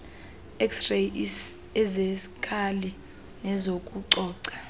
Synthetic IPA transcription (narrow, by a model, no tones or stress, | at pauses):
ɛksre | ɛzesikʰali | ŋɛzokʼuǀɔːǀḁ